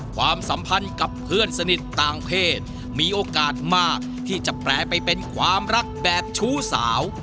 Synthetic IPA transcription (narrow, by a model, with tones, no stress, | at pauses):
kʰwaː˧msa˩˦mpʰa˧nka˨˩pʰːɯ˥˩ənsa˧ni˨˩t̪ːaː˨ŋpʰeː˥˩t̪̚ | miː˧ʔoː˧kaː˨˩t̪̚maː˥˩k̚t̪ʰiː˥˩t͡ɕa˨˩plɛː˨˩pa˧jpe˧nkʰwaː˧mɾa˦˥k̚bɛː˨˩p̚t͡ɕʰuː˦˥saː˩˦w